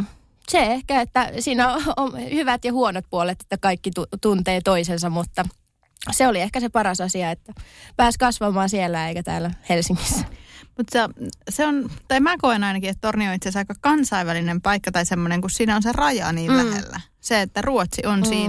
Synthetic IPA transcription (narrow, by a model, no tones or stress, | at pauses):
seehkæet̪ːæsiːnæoomhyʋæt̪jɑhuonot̪̚puolet̪e̥t̪ːækɑikːit̪ut̪unt̪eːt̪oisensɑmmut̪ːɑ | seoliehkæsepɑɾɑsɑsiɑet̪ːæpæːskɑsʋɑmɑːsielːæeikæt̪æ̰ːlːæhelsiŋːisːæ̥mut̪seseont̪ɑimæːkoenɑinɑkiet̪t̪ornionit̪sesɑikːɑkɑnsɑiʋælinempɑikːɑt̪ɑisemːoneŋkussiːnæonserɑjɑ̰niːlæhḛlːæ̰ | seet̪ːæruot̪siʔonsiːn